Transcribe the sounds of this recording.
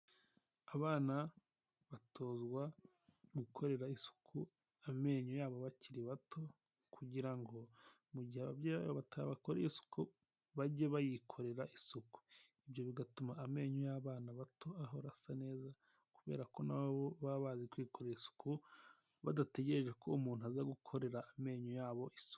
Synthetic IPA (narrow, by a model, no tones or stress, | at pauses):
aβaːna | βatʰo̞ːzɡwa | βikʰo̞ɾe̞ɾaisu̥kʰu | ame̞ːɲojaːβoβaciɾiβatʰo̞ | kʰuɟiɾaŋɡo̞ | muɟihaβabjaβaβoβatʰaβakoɾḛisu̥ku | βaɟeβajikʰo̞ɾe̞ɾaʔisuku̥iβjo̞βiɡatumaːme̞ːɲojaβaːnaβatʰo̞aɦo̞ɾasane̞ːza | kuβe̞̰ːɾako̞naβaβoβaβaːzikwiːkʰo̞ɾeɾisu̥ku | βa̰date̞ɟe̞ɾe̞ʒe̞kʰo̞umuːn̥uazaɡukʰo̞ɾe̞ɾaːme̞ːɲojaːβo̞ʔisu̥